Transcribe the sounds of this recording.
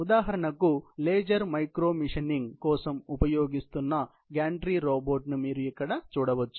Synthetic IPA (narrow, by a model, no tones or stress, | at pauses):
ud̪aːɦɐɾɐɳɐkːuleːd͡ʒɐɾmɐjkɾoːmiʂɐniŋɡkɔːsɐmupɐjoːɡist̪unːɐ | ɡaːɳʈɾiɾoːboːʈnumiːɾujɐkːɐɽɐt͡ʃɔːɽɐʋɐt͡ʃ̪ːu̥